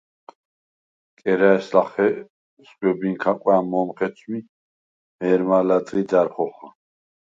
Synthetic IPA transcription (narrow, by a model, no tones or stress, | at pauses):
kʼɛɾaɛslaχɛ | sχwɔbiŋkʰakʼwɛamɔmχɛsʰmi | mɛɾmalad̪ɾid̪aɾχɔχa